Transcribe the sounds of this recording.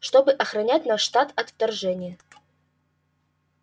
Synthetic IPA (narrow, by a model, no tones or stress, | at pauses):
ʂt̪obɨʔɐxɾɐnʲætʲnaʂːt̪at̪ɐt̪ft̪ɐrʐɛnʲɪjə